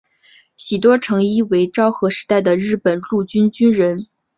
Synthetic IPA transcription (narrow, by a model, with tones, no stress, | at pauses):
ɕi˨˩t̪̬wɔ˥ʈ͡ʂʰɤ˧˥ŋi˥we˧˥ɪʈ͡ʂɑ˥ʊxɤ˧˥ʂɻ̩˧˥t̪a˥˩ɪd̪ə˩ɻɻ̩˥˩pə˨˩nlu˥˩t͡ɕy˥nt͡ɕy˥nɻə˧˥n